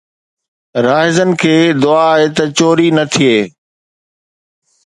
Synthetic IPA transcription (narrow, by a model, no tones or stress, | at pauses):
ɾaːɦɪzənɪ̆kʰeːd̪ʊaɦet̪ɐt͡ɕoːɾinɐt̪ʰieː